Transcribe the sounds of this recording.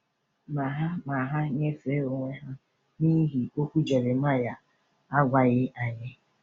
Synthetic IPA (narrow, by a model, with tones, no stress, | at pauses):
ma˨ɦa˦ma˨ɦa˦ɲe˦fe˨˦o˨ŋʷe˦ɦa˦ | ni˦ɦi˨o˦kʷu˦d͡ʒe˨ɾe˨m̩˦a˦ja˨ | a˦ɡʷa˨ɣɪ˦ʔa˨ɲɪ˦